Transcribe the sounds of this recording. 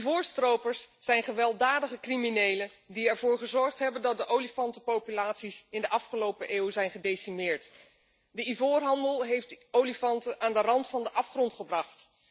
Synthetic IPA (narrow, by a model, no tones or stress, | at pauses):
ivoːɹstrowpəɹsːɛjnχəʋɛlˠdaːdəχəkriminejlən | diɛɹvʊːɹχəzɔɹχtɦɛbəndɑt̚dəʔowlifɑntəpowpylaːtsisɪndəʔɑfχəlowpəʔeːwzɛjnχədejsimɪːɹt | dəivoːrɦɑndəlˠɦejftowlifɑntənʔaːndərɑntfɑndəʔɑfχrɔntχəbrɑχt